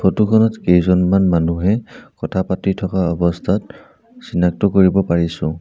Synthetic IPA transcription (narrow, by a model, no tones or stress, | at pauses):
pʰotukʰɔnɔtejzɔnmanmanuɦɛkɔtʰapatitʰɔkaɔbɔstʰat̚ | sinak̚tɔkoɹibɔpaɹisʊ̃